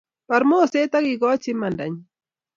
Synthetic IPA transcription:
pa˨ɾmo˦˨se˦ta˦kɪ˨ɡɔ˦t͡ʃɪ˦ma˨nda̰˨ɲ

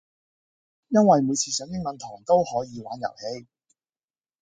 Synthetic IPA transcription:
jɐ˥nwɐ˨jmu˨˧jt͡sʰiː˧sœː˨˧˥ŋjɪ˥ŋmɐ˨˧nt̪ʰɔː˨˩ŋt̪o˥whɔː˨˥jiː˨˧waː˨˥njɐ̰˨˩whe˧j

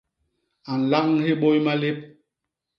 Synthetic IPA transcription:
a˨n̩˨la˦ŋhe˦ɓo˦jma˦le˦p̚

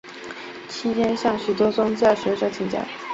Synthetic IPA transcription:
t͡ɕʰi˥t̪ʰjɛ˥nɕjɑ˥˩ŋɕy˨˩t̪wɔ˥t͡sʊ˥ŋt͡ɕjɑ˥˩ʂɤ˧˥ɕjɑ˥˩t͡ɕʰi˨˩ŋt͡ɕja̰˥˦

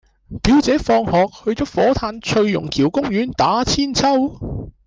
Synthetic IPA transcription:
piː˨˥wt͡sɛː˨˥fɔː˧ŋhɔː˨k̚hɵ˧ɥt͡sɔː˨˥fɔː˨˥t̪ʰaː˧nt͡ʃʰɵ˧ɥjʊ̰˨˩ŋkʰiː˨˩wkʊ˥ŋɥyː˨˥nt̪aː˨˥t͡sʰiː˥nt͡sʰɐ˥w

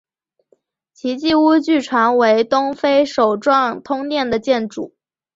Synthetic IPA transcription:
t͡ɕʰi˧˥t͡ɕi˥˧u˥t͡ɕy˥˩ʈ͡ʂʰwa˧˥nwe˧˥ɪt̪ʊ˥ŋfe˥ɪʂo˨˩ʊʈ͡ʂwɑ˥˩ŋt̪ʰʊ˥ŋnjɛ˥˩nd̪ə˩t͡ɕjɛ˥˩nʈ͡ʂṵ˨˩˦

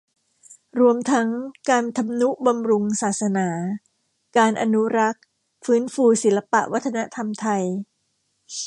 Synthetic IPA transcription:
ɾu˧əmt̪ʰa˦˥ŋkaː˧nt̪ʰa˧mnu˦˥ʔba˧mɾu˧ŋsaː˨˩t̪̚sa˧naː˩˦ | kaː˧nʔa˧nu˦˥ɾa˦˥k̚ | fɯː˦˥nfuː˧si˩˦la˧pa˨˩ʔwa˦˥t̪ʰːa˧na˦˥t̪ʰa˧mt̪ʰa˧j

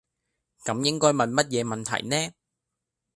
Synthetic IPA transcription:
kɐ˨˥mjɪ˥ŋkɔː˥jmɐ˨nmɐ˥t̚jɛː˨˧mɐ˨nt̪ʰɐ̰˨˩jnɛː˥

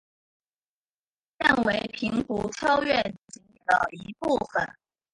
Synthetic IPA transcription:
ɻə˥˩nwe˧˥ɪpʰi˧˥ŋkṵ˧˥ʈ͡ʂʰɑ˥ʊɥɛ˥˩n˩t͡ɕi˧˥ni˥˩lə̰˨˩i˧˥pu˥˩fə̰˨˩n

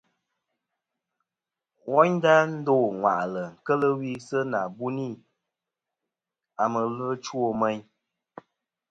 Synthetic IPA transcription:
wɔ˦ɲda˦n̩˦doː˦˨ŋwa̰˨ʔlə˨ŋ̩˨kə˦lə˦wi˦sə˦na˨bu˦ni˦˨ | a˨mə˨lɨ˦t͡ʃwo˨mɛ˦ɲ

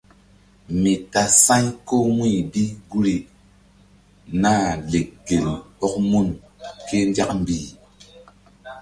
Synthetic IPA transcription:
mi˨ta˨sa˦ɲko˦mi˦˨bi˦ɡu˦ɾi˨ | na˦le˨k̚ɡe˨lɔ˦k̚mu˦n | ke˦n˦da˦km̩˦bi˦˨

